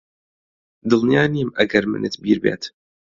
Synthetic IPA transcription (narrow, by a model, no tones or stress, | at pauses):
d̪ɨlˠnjaːnimʔɐɡɐɾmɨ̰nʔɨt̪biɾbeːt̪